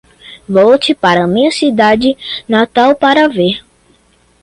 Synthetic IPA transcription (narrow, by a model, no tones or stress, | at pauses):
vɔwt͡ʃɪpaɾɐmĩɐsid̪ad͡ʒɪnat̪awpaɾɐveɾ